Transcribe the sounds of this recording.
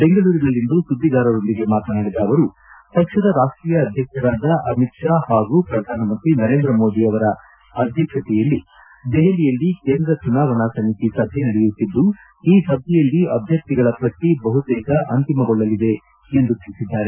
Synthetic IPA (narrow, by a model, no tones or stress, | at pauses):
be̞ŋɡɐɭuːɾinɐlːind̪usud̪ːiɡ̪aːɾɐɾo̞nd̪iɡe̞maːt̪ɐnaːɽid̪aːʋɐɾu | p̪ɐkʂɐd̪ɐɾaːʂʈɾiːjɐːd̪ʱjɐkʂɐɾaːd̪ɐʔɐmit̪ʂaːhaːɡupɾɐd̪ʱaːnɐmɐnt̪ɾinɐɾeːnd̪ɾɐmo̞ːd̪iɐʋɐɾɐ | ɐd̪ʱjɐkʂɐt̪ɛjɐlːi | d̪eɦelijɐlːikeːnd̪ɾɐt͡ʃunaːʋɐɳasɐmit̪isɐd̪ʱenɐɽɛjut̪ːid̪ːu | iːsɐbjɛjɐlːiɐbʱjɐk̚t̪iɡɐɭɐpɾɐt̪ibɐɦut̪ɛːkɐʔɐnt̪imɐɡoɭːɐlid̪e̞ | end̪ut̪iɭisid̪ːaːɾe̞